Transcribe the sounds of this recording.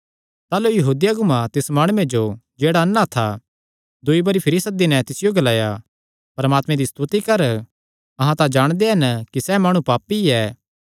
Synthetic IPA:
t̪aːlujɐɦuːd̪ijaɡʊmãt̪ɪsmaːɽ̃ued͡ʒod͡ʒeːɽaɐnːat̪ʰa | d̪uibɐɾipʰɐɾɪsɐd̪ɪnɛ̃t̪ɪsɪjoɡɐlaːja | pɐɾmaːt̪mɛ̃d̪ist̪ut̪ikɐɾ | ɐɦãt̪ãd͡ʒaːɽ̃d̪eɦɐnkisɛmaːɽ̃ũpaːpːiɛː

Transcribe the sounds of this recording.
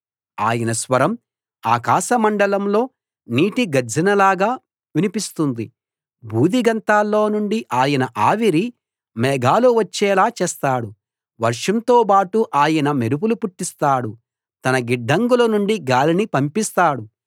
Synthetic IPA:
a̰ːjɐnɐsʋɐɾɐm | a̰ːkaːʃɐmɐɳɖɐlɐmlo̞ː | niːʈiɡɐɾd͡ʒʱɐnɐlaːɡaː | ʋinipist̪und̪i | bʱuːd̪iɡɐnt̪aːlːo̞ːnuɳɖiʔaːjɐnɐʔaːʋiɾi | mɛːɡaːluʋɐt͡ʃːɛːlaːt͡ʃɛːst̪aːɽu | ʋɐɾʂɐnt̪oːpaːʈuʔaːjɐnɐmeɾup̬ulupuʈːist̪aːɽu | t̪ɐnɐɡiɖːɐŋɡulɐnuɳɖiɡaːlinipɐmpist̪aːɽu

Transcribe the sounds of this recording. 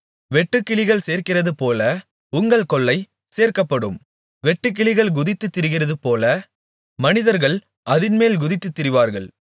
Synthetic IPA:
ʋɛʈːɯkːɪɭɪɣɐɭseːɾkɪrɐðɯpoːlɐ | ʊŋɡɐɭkɔɭːɐɪ | seːɾkɐpːɐɽɯ̰m | ʋɛʈːɯk̬ːɪɭɪɣɐɭɡʊðɪt̪ːɯt̪ːɪɾɯɣɪrɐðɯpoːlɐ | mɐnɪðɐɾɣɐɭ | ʔɐðɪnmeːlɡʊðɪt̪ːɯt̪ːɪɾɪʋaːɾɣɐɭ

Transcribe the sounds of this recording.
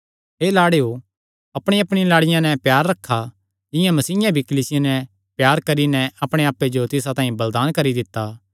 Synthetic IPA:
ɦeːlaːɽeo | ɐpɽ̃iɐpɽ̃ilaːɽɪjãnɛpjaːɾːɐkʰːa | d͡ʒɪjãmɐsiːjãbʱikɐliːsɪjanɛ | pjaːɾkɐɾinɛɐpɽ̃eaːpːed͡ʒot̪ɪs̬at̪ãːĩbɐld̪aːnkɐɾid̪ɪt̪ːa

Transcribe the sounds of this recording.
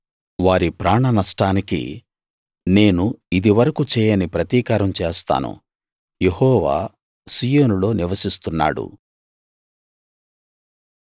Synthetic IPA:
ʋaːɾipɾaːɳɐnɐʂʈaːnikḭ | ne̞ːnuid̪iʋɐɾɐkut͡ʃɛːjɐnipɾɐt̪iːkaːɾɐmt͡ʃeːst̪a̰ːnṵ | jehɔːʋa̰ː | siːjoːnulo̞ːniʋɐsist̪unːa̰ːɽṵ

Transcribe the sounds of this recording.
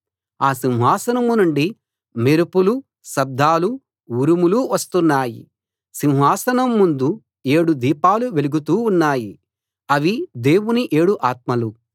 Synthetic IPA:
aːsinɦaːsɐnɐmunuɳɖi | meɾupulu | sɐb̚d̪ʱːaːlu | uɾumuluʋɐst̪unːaːjḭ | sinɦaːsɐnɐmːund̪u | e̞ːɽud̪iːpaːluʋeluɡut̪̬uːnːaːji | ɐʋid̪e̞ːwuniʔeːɽuʔaːt̪̚mɐlu

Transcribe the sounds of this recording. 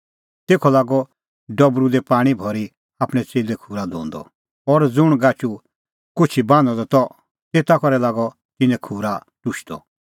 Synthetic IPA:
t̪eːkʰɔlaːɡɔ | ɖɔbɾud̪ɛpaːɽ̃ibʱɔɾi | aːpɽ̃ɛt͡seːlɛkʰuːɾad̪ʱõ̰ːnd̪ɔ̰ | ɔɾd͡zʊɽ̃ɡat͡ʃu | kʊt͡ʃʰibãːnɔ̃d̪ɔt̪ɔ | t̪eːt̪akɔɾɛlaːɡɔ | t̪ɪnɛ̃kʰuːɾa | ʈʊʃʰd̪ɔ̰

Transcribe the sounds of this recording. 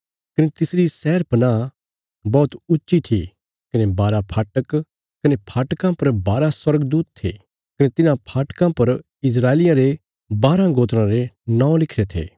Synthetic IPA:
kɐnet̪ɪsɾisɛːɾpɐna | bɔːt̪ʊtːʃit̪ʰḭ | kɐnebaːɾapʰaːʈək | kɐnepʰaːʈkãpɐɾbaːɾaswɐɾəɡd̪uːt̪t̪ʰːḛː | kɐnet̪ɪnãpʰaːʈkãpɐɾ | ɪs̬ɾaːelɪjãɾe | baːɾãɡoːt̪ɾãɾenãːõlɪkʰɾet̪ʰḛː

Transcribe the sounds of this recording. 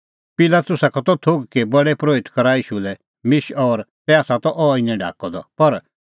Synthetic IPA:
pɪlat̪ʊsakʰɔt̪ɔt̪ʰoɡkebɐɽɛpɾoːɪt̪kɐɾaiːʃulɛ | mɪʃɔːɾt̪ɛaːsat̪ɔʔɔːɪnɛ̃ɖʱa̰ːkɔd̪ɔ̰pɐɾ

